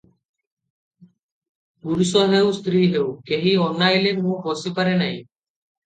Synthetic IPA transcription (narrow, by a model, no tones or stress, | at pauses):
buɾisɔɦewst̪ɾiːɦewkeɦiɔnːajlemũbɔsipaɾenaj̃